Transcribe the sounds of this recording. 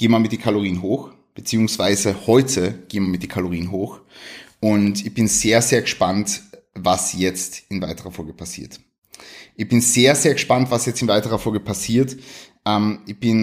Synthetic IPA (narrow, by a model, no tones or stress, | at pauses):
ɡ̥eːəmamɪt̚d̥iːkʰaloʁiːənɦoːx | b̥ət͡siːʊŋsv̥aɪzəhɔʏtʰəɡ̥eːəmaɐmɪtd̥iːɐkʰaloʁiːənɦoːx | ʊntɪçb̥ɪnz̥eːɐzeːɐɡəʃpant | vasjɛt͡stɪnvaɪtəʁɐfɔlɡəpʰasḭːɐt | ʔɪçb̥ɪnz̥eːɐzeːɐɡəʃpantv̥asjɛt͡stɪnvaɪtəʁɐfɔlɡəpʰasiːɐtʔɛmɪçb̥ɪn